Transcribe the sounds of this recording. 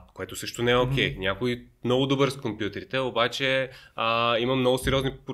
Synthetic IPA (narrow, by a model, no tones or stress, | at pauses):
koɛt̪osɤʃt̪onɛɛok̟ɛjnʲakoimnɔɡʊd̪obəɾskompʲjut̪ɛɾit̪ɛobat͡ʃɛəimɐmnɔɡʊsɛɾiɔznip